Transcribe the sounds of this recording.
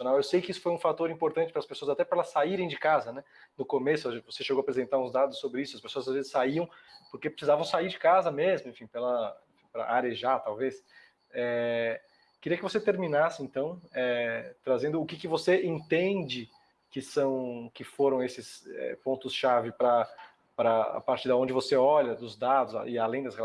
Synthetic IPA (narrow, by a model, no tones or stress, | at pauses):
onawewsejkɪisʊ̥fojũfat̪oɾĩmpoɾt̪ɐ̃t͡ʃɪ̥pɾɐspesoɐzat̪ɛpɾɛlɐsːaiɾẽj̃d͡ʒɪkazɐnɛ | nʊkomesʊavoseʃeɡowapɾezẽnt̪aɾũzd̪ad̪ʊsːobɾɪisʊɐspesoɐzazvezɪsaiɐ̃w̃poɾkepɾɪsizavɐ̃w̃saiɾd͡ʒɪkazɐmezmʊẽfĩpelɐḛ̃fĩpɾɐ̰ʔaɾeʒat̪awves | ɛ | kɪɾiɐkɪvoset̪eɾmĩnasɪẽnt̪ɐ̃w̃ɛt̪ɾazẽnd̪ʊːkɪkɪvoseẽnt̪ẽnd͡ʒɪ | kɪsɐ̃w̃kɪfoɾɐ̃w̃esɪsɛ̰põnt̪ʊsʃavɪpɾɐ | pɾɐa̰paɾt͡ʃɪd̪ɐõd͡ʒɪvoseɔʎɐd̪ʊzd̪ad̪ʊsa̰ʔɪalẽj̃d̪ɐshel